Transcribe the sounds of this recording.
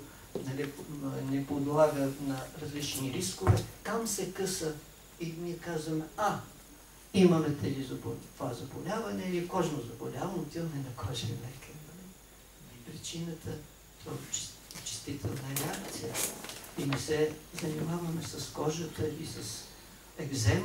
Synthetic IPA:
nɐlinɛpod̪lˠaɡənɐɾɐzlit͡ʃniɾiskovɛt̪amsɛkɤsə | iniɛkazvɐmɛa | imɐmɛt̪ɛlizɐbt̪ovazɐbolʲavɐnɛniɛkɔʒnozɐbɐlʲavɐmot̪inɛnɐkʰɔʒɛmɛkɛnɐli | pɾit͡ʃinət̪ʰə | t̪at͡ʃt͡ʃɛ̥st̪it̪ʰɛlˠnəɾɛakt̪sijəinɛsɛzɐnimavɐmɛsɐskɔʒət̪əisɐs | ɛɡzɛm

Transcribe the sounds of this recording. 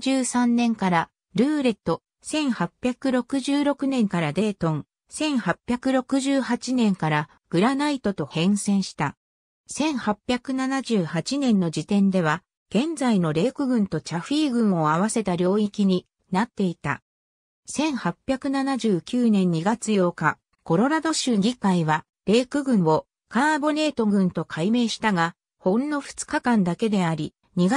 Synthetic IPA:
d͡ʑɨːsãnːẽ̞ŋkaɾa | ɾɯ̟ːɾe̞t̪ːo̞ | sẽ̞ɰ̃hapʲːjakɯ̟ɾo̞kɯ̟ʑɨːɾo̞kɯ̟nẽ̞ŋkaɾad̪e̞ːt̪õ̞ŋ | sẽ̞ɰ̃hapʲjakɯ̟ɾo̞kɯ̟ʑɨːhat͡ɕinẽ̞ŋkaɾa | ɡ̥ɯ̟ɾanait̪o̞t̪o̞hẽ̞ɰ̃sẽ̞ɰ̃ɕi̥t̪a | sẽ̞ɰ̃hapʲjakɯ̟nanaʑɨːhat͡ɕinẽ̞nːo̞d͡ʑit̪ẽ̞nd̪e̞β̞a | ɡ̥ẽ̞nd͡zaino̞ɾe̞ːkɯ̟ɡɯ̟̃nt̪o̞t͡ɕaɸiːɡɯ̟̃ɰ̃o̞aβ̞ase̞t̪aɾʲo̞ːikʲiɲ̟i | nat̪ːe̞it̪a̰ | sẽ̞ɰ̃hapʲːjakɯ̟nanaʑɨːkʲɨːnẽ̞ɲ̟ːiɡat͡sɨjo̞ːka | ko̞ɾo̞ɾad̪o̞ɕɨːɡʲikaiβa | ɾe̞ːkɯ̟ɡɯ̟̃ɰ̃o̞ | kãbo̞ne̞ːt̪o̞ɡɯ̟̃nt̪o̞kʰaime̞ːɕi̥t̪aɡa | hõ̞nːo̞ɸɯ̟̥t͡sɨ̥kakãnd̪ake̞d̪e̞aɾʲi | ɲ̟iɡa

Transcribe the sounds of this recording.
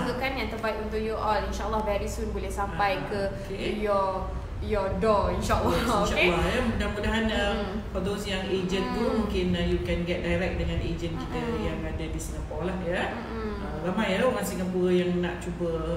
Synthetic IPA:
ɡukanjãŋt̪əbat̪unt̪uʔjuʔɔlinʃaʔəlːɔhvɛɾisunbolɛhsampajkə | jɔ | jɔdɔinʃaʔəlːɔʃaʔlːɔhjamudamudaɦanə | fɔd̪osjaŋed͡ʒə̃nt̪umũŋkɪnjukɛ̃nɡɛt̚dajɾɛk̚dəŋãned͡ʒənkit̪əjaŋadadisiŋɡapɔlahja | əɾamãjalaŋansiŋapujaŋna̰ʔt͡ʃubə

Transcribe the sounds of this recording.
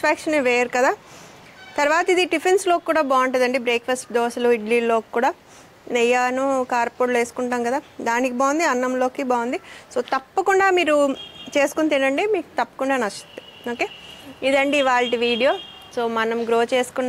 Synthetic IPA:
paːkʂɐnʋeːɾukɐd̪aː | t̪ɐɾuʋaːt̪ɐid̪iɖipʰenslo̞ːkikuːɽaːbaːɐɳʈed̪ɐɳɖibɾeːkfʰɐsʈ̚d̪oːsɐluiɖliːlo̞ːki̥kːuːɽaː | nɛjaːnukaːɾpoːɽle̞ːsu̥kuɳʈaːmkɐd̪aːd̪aːnikibaːwund̪iɐnːɐmlo̞ːkibaːwund̪iso̞ːt̪ɐpːɐkuɳɖaːmiːɾut͡ʃe̞ːsu̥kunt̪inɖɐɳɖimiːku̥t̪ɐpːɐ̥kuɳɖaːnɐst̪ɐnd̪i | oːkeːid̪ɐɳɖiʋaːɭʈiʋiːɽijo̞ː | so̞ːmɐnɐmɡɾoːt͡ʃe̞ːsu̥kun

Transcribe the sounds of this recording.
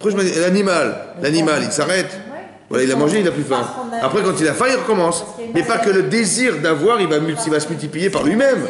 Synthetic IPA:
pχɛʒəmalanimallanimalilsaʁɛt̪ | vwa̰lailamɑ̃ʒeilaplyfɛ̃apχɛkɑ̃t̪ilafɛ̃ilʁəkɔmɑ̃smɛpakələd̪eziʁd̪avwaʁilvamylt̪ilvasəmylt̪iplijepaʁlɥimɛm

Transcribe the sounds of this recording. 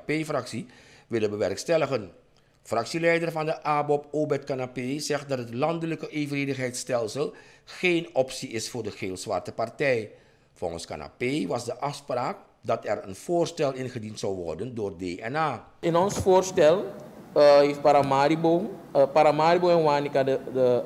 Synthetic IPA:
pefrɑksiʋɪlənʋəʋɛrkstɛləχən | frɑksilɛjdərvɑndəʔaːbɔpoːbɛrtkanapejzɛχt̚dɑtɦətlɑndələkəʔevəreːdəχɦɛjtstɛlˠsəlˠχeːnɔpsiɪsfʊːrdəχeːlˠzʋɑ̰rtəpɑrtɛj | vɔlˠχənska̰na̰pejʋɑsdəʔɑfspraːk̚ | dɑtɛrənv̥oːrstɛlˠɪnχədintsɑwʋɔ̰rdəndʊːrdeːʔɛnaː | ɪnɔnsfoːrstɛlˠ | ɦeft̚paɾamaɾibopaɾamaːɾiboɛnwaːnikaəə

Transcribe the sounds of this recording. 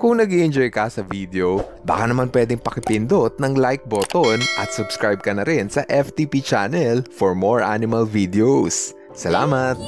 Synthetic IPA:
kʊŋnɐɡiʔɪnd͡ʒojkɐsɐvid̪ɛo | ba̰ːkanɐmanpwɛːd̪ɪŋpɐkɪpɪnd̪ot̪̚nɐŋlajk̚bot̪onʔɐ̰t̪̚sʊbskɹajb̚kɐnɐɾɪnsɐʔɛft̪ipit͡ʃanɛlfɔɹmoɹʔa̰nɪmɐlvid̪ɛos | sɐla̰ːmɐt̪̚

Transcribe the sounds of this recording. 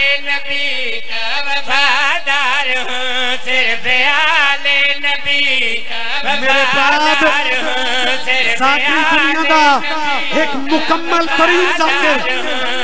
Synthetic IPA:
bi | lenəbi | meːɾebaːd̪ | saːkʰɾĩd̪ʊnɪjãːd̪aː | ɦɪkmʊkəmːəlkəɾĩːt͡ʃaːt̪eː

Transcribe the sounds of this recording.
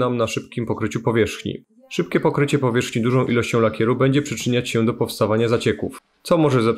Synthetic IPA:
namnaʂɘpkʲimpɔkɾɘt͡ɕupɔvʲjɛʂxɲḭ | ʂɘp̚kʲɛpɔkɾɘt͡ɕɛpɔvʲjɛʂxɲid̪uʐɔ̃w̃ʔilɔɕt͡ɕɔ̃w̃lakʲɛɾubɛɲd͡ʑɛpʂɘt͡ʂɘɲat͡ɕɕɛd̪ɔpɔfst̪avaɲazat͡ɕɛkṵf | t̪sɔmɔʐɛzɛ

